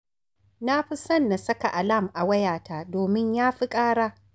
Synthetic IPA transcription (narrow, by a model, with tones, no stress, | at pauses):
na˦ɸi˦sɐ˦nːa˨sɐ˦ka˨ʔa˨la˦˨mʔa˨wɐ˦jaː˨taː˦doː˨mɪ˦ɲjaː˦ɸi˦kʼaː˦ɽaː˦